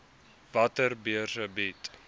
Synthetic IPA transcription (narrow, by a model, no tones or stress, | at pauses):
vɐtərbiərsəbit